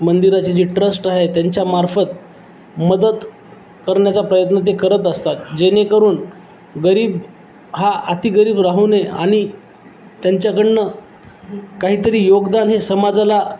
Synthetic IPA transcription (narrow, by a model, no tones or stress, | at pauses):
mənd̪iɾat͡ɕed͡ʑiʈɾəsʈaɦet̪jaɲt͡ɕjamaɾfət̪̚ | məd̪ət̪ | kəɾɳjat͡sapɾəjət̪nət̪̬ekəɾət̪əst̪at̪̚d͡ʑenekəɾuːn | ɡəɾiːb | ɦaat̪iːɡəɾiːbɾaɦunea̰ɽ̃i | t̪jaɲt͡ɕjakəɳnə | kaɦiːt̪əɾiːjoɡd̪anɦesəmad͡zala